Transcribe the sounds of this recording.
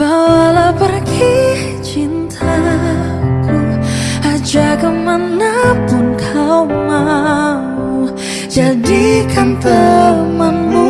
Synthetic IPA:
balapərki | t͡ʃint̪ʰa | kʰuad͡ʒakəmanːapʊnkʰawma | d͡ʒadikʰant̪əməŋu

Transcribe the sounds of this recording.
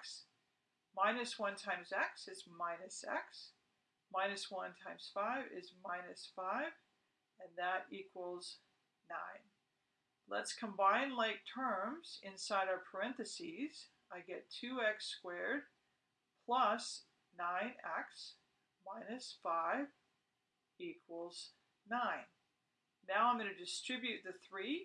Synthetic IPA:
ks | mãɪ̃nɨswʌ̃ntʰãɪ̃mzɛksɨzmãɪ̃nɨsɛ̰ks | mãɪ̃nɨswʌ̃ntʰãɪ̃mz̥faɪvɪ̰zmãɪ̃nɨsfaɪv | ɨ̃nðəɾikʰwl̩ˠz̥ | nã̰ɪ̃n | lə̰tskʰə̃mbãɪ̃nlaɪk̚tʰɜ̃˞mz̥ɪ̃nsaɪɾaʊə˞pʰə˞ɛ̃nθɨsiz̥ | aɪɡɛtʰʉɛkskwɛɹd̚ | pʰl̥ʌs | nãɪ̃nɛks | mãɪ̃nɨsfaɪv | ikʰwəl̩ˠz̥ | nãɪ̃nː | aʊãɪ̃mɡʌ̃nɨdɨstɹ̥ɪbjʉt̪̚ðɨθɹi

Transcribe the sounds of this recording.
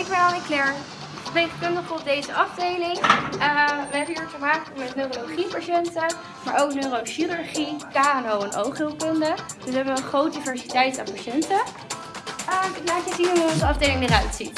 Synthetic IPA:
ɪɡ̚bɛnɔlˠəŋklɛɹn | əɹtejχəkɵndəχɔp̚dejzəʔɑvdejlɪŋəʋəɦɛbəɦiːɹfəɹmaːktmɛtnøːrolowχipaʃɛntə | maːɹʔowknøroʃiɾʉɹχikaːnowɛnʔo̰wχilˠkɵndəd̥øsʋəɦɛbəɔχrowt̚divɛɹsitɛjta̰ːnpaʃɛntə | əlaːkjəzinɦunɦuɔnzəɑvdejlɪŋdəɾœɥtsit

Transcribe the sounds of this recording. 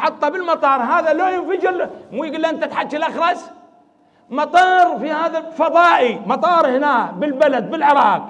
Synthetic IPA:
ħɑt̪ˤːɑbɪlmɑt̪ˤɑːɾˤɦaːðaloːjɪnfad͡ʒɪɾmuːjɡuːlːʔɪnt̪at̪ħad͡ʒːalʔɑxɾˤɑs | mɑt̪ˤɑːɾˤfihaːðafɑðˤɑːʔimɑt̪ˤɑːɾˤhɪnaːbɪlbalad̪̚bɪlʕɪɾˤɑːq̚

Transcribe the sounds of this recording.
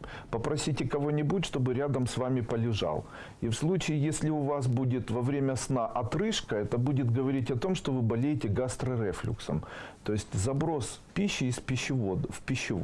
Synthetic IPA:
pəpɾɐsʲitʲɪkɐvo̞nʲɪbutʲʂt̪o̞bɨɾʲad̪əmsvamʲɪpəlʲɪʐɑ̰lˠ | ifslˠut͡ɕɪːjesʲlʲɪʊvasbudʲɪt̪vɐvɾʲemʲəsnaʔɐt̪ɾɨʂkəɛt̪əbudʲɪt̪̚ɡəvɐɾʲitʲɐt̪o̞mʂt̪o̞vɨbɐlʲejɪtʲɪɡast̪ɾɐɾɛflʲɪ̰ksə̰mt̪o̞jɪsʲtʲzɐbɾo̞spʲiɕːɪːspʲɪɕːɪvod̪fpʲɪɕːɪ

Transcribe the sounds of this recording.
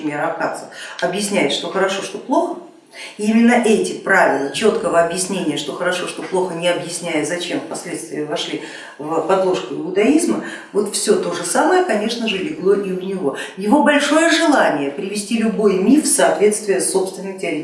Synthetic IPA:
ɪmʲeɾɐpxat̪səfɐbjɪsʲnʲæjɪt̪ʂt̪o̞xəɾɐʂo̞ʂt̪o̞plˠo̞xə | imʲɪnːəʔɛtʲɪpɾavʲɪlˠət͡ɕo̞t̪kəvəɐbjɪsʲnʲenʲɪjəʂt̪o̞xəɾɐʂo̞ʂt̪o̞plˠo̞xənʲɪɐbjɪsʲnʲæjəzɐt͡ɕe̞mfpɐsʲlʲe̞t̪st̪vʲɪəvɐʂlʲi | vpɐd̪lˠo̞ʂkʲʊɪʊd̪ɐizmə | vo̞t̪fsʲɵt̪o̞ʐɨsaməjəkɐnʲe̞ʂnəʐɨlʲɪɡlˠo̞ʔiʊnʲɪvo̞jɪvo̞bɐlʲʂo̞jəʐɨlˠanʲɪjəpɾʲɪvʲɪsʲtʲilʲʊbo̞jmʲifsɐːt̪vʲe̞t̪st̪vʲɪjəsso̞pst̪vʲɪnːɨtʲɪɐɾʲe

